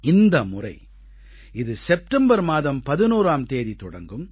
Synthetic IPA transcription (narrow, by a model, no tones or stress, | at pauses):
ɪnd̪ɐmʊrɐɪ | ɪðɯsɛp̚ʈɐmbɐɾmaːðɐmpɐðɪnuːɾaːmt̪eːðit̪ːɔɽɐ̰ŋɡɯm